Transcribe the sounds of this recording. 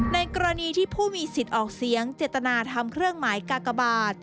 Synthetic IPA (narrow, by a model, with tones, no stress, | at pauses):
na˧jkɔː˧ɾa˧niː˧t̪ʰiː˥˩pʰuː˥˩miː˧si˨˩t̪̚ʔɔː˨˩k̚si˩˦əŋt͡ɕeː˨˩t̪ːa˧naː˧t̪ʰa˧mkʰɾɯ˥˩əŋmaː˩˦jkaː˨˧˩ka˧baː˨˩t̪̚